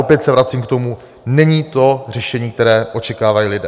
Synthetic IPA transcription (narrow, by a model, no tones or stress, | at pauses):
opjɛt̪sɛvɾat͡siːmkt̪o̞mu | nɛɲiːt̪o̞r̝ɛʃɛɲiːk̚t̪ɛɾɛːʔo̞t͡ʃɛkaːvajiːlɪdɛː